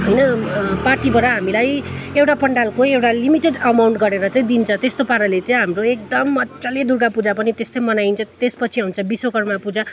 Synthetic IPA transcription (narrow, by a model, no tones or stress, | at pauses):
ɦʌjnʌparʈibʌɾʌɦamilajewʈapʌɳɖalkoewʈalimiʈeɖʌmawɳʈɡʌɾeɾʌt͡saĩd̪int͡sʰʌ̃t̪est̪opaɾʌlet͡saĩɦamroek̚d̪ʌmʌt͡sʌled̪urɡapud͡zapʌnit̪est̪ʌjmʌnaint͡sʰʌt̪espʌt͡sʰiɦunt͡sʰʌbisokʌrmapud͡za